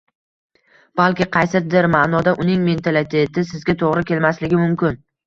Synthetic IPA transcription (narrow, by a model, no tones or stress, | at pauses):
b̥alkʲɪqʰɑjsɪd̪ɪɾmaːnɒd̪aʔʊnɪŋme̞nt̪ʰalɪt̪ʰe̞t̪ʰɪsɪzɡʲat̪ʰoʁɾɪkʲʰe̞lmaslɪɡʲɪmʊmkʲɪn